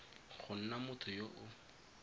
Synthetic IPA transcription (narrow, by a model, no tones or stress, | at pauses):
χʊn̩namʊtʰʊjoʔʊ